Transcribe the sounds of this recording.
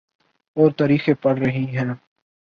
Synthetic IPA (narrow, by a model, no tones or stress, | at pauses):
ɔːɾt̪aːɾiːxepɐɽɾɐɦiɦɛ̃ː